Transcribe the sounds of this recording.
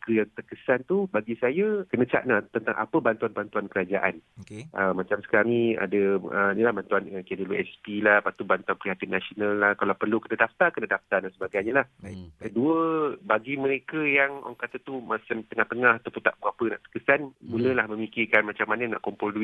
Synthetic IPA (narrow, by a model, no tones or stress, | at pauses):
kəjaŋt̪ərkəsant̪ubaɡisajəkənə̃t͡ʃa̰ʔ̚nat̪ənt̪a̰ŋʔa̰pəbant̪uanpuant̪uankəɾad͡ʒaʔanoʔəmãt͡ʃamsə̥kanĩa̰dəəinilahbant̪uanəkiɛdəluɛ̰spilahpat̪ubant̪uanpəɾiɦat̪ianasionalːahkalawpərlukənadaft̪akənadaft̪adansəbaɡajɲalahkəduəbaɡiməɾekəjaŋo̰ŋkat̪at̪umat͡ʃamt̪əŋaht̪əŋahat̪apunt̪aʔbuapənã̰ʔt̪ə̥rkəsanmuləlahmə̃mikirkanmat͡ʃamːanəna̰ʔkɔmpoldui